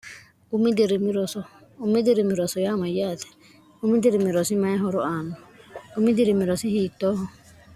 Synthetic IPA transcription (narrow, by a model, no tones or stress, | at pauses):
umid̪ɛɾimiɾɔsɔ | umid̪ɛɾimiɾɔsɔjamajat̪ɛ̥ | umid̪ɛɾimiɾɔsimaɛɦɔɾɔanɔumidiɾimiɾɔsiɦit̪ɔɦɔ